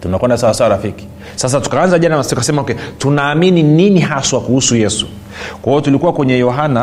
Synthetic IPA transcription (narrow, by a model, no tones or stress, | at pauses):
tunakwɛndasawasawaɾafiki̥ | sas̬atu̥kaanzaʄanaskasɛmaɔkɛtunaːminininiɦaswakuhusujɛsṵ | kwaijɔtulikuwakwɛɲɛjɔɦana